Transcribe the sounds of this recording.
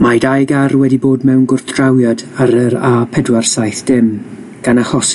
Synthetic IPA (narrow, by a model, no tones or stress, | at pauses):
majdajɡarwɛdiboːdmɛwnɡʊrθd̥rawjadaɾɛɾapʰɛdwarsajθd̥ɪm | ɡ̥anahɔs